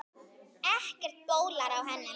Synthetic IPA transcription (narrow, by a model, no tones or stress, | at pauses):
ɛhcɛr̥t̪̚poːwlaɾawɦɛnːɪ